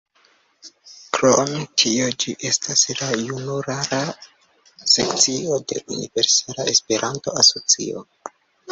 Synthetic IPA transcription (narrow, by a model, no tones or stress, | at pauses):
kɾomtʰiod͡ʒiʔe̞staslajunuɾaɾa | se̞kt͡siode̞̰ʔunḭve̞ɾsalae̞spe̞ɾʔanto̞aso̞t͡sḭo̰